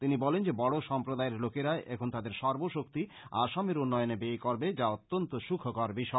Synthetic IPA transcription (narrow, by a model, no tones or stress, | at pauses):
t̪inibɔlend͡ʑebɔɽoʃɔmpɾod̪aeɾlokeɾaeʔɛkʰont̪ad̪eɾʃɔɾboʃokt̪i | a̰ʃameɾunːɔjonebejkoɾbed͡ʑaot̪ːont̪oʃukʰokɔɾbiʃɔe